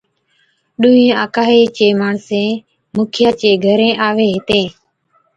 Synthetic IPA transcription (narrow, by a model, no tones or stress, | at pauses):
ɗʊːĩːaːkaːɦeːt͡ʃeːmaːɳsẽː | mʊːkʰɪjaːt͡ʃeːɡʱəɾẽːʔaːʋeːɦɪt̪ẽː